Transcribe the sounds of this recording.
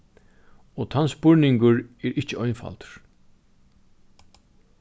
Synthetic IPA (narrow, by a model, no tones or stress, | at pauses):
ɔt̪ʰansbʊɹnɪŋkʊɹɛɹʔɪht͡ʃɪɔjnfa̰lt̪ɹ̥